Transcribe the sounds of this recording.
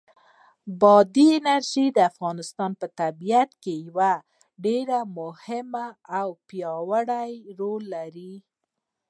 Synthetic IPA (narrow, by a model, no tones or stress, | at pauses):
bɑd̪iɪnaɾʒid̪əafɣɑnɪst̪ɑnpət̪abijat̪kejawa | ɖeɾamʊhɪmaːwpjɑwəɽajɾolːaɾi